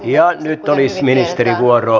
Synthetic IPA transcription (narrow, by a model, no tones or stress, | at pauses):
iɑnyt̪ːolisminist̪erikuorˑo